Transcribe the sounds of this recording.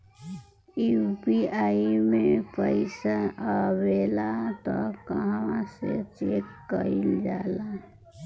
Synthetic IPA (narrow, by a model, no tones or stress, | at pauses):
ibiaimepəɪsaabelat̪ɔkəɦãset͡ʃekːəild͡ʒala